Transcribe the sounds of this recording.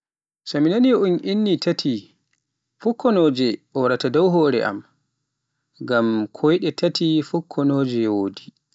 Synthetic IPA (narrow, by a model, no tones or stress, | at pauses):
saminaniunʔinːitatʰi | fukːɔnɔːd͡ʒɛɓɔwaɾatadɔwɦɔːɾɛ̰ʔa̰m | ɡamkʰɔjɗɛtʰatʰifukʰːɔnoːd͡ʒɛwoːdi